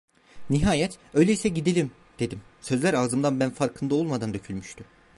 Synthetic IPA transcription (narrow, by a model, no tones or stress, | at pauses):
niɦaːjɛt̪ø̞jlʲeisɛɟid̪elʲim | d̪̥e̞d̪imsø̞zlʲæɾaːzɯmd̪anbænfaɾkʰɯnd̪ao̞lˠmad̪and̪ø̞cʰylʲmyʃt̪ʰy